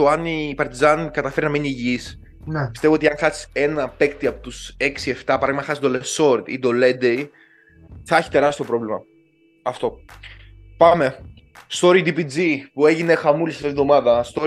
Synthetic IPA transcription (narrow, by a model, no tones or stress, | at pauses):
oɐnipɐɾt̪izɐnkɐt̪ɐfe̞ɾinɐminiːʝis | npist̪e̞voot̪iɐŋxɐsi̥se̞nɐpe̞kt̪iɐpot̪use̞ksie̞ft̪ɐpɐɾɐɣimɐxɐsizd̪oleso̞ɾd̪ḭd̪o̞led̪ei | θɐçi̥t̪e̞ɾɐst̪iopɾo̞vlimɐ̰ | ɐft̪o̞ | pɐme̞ | st̪o̞ɾid̪ipid͡zipue̞ʝine̞xɐmulisɐft̪iivðo̞mɐðɐst̪o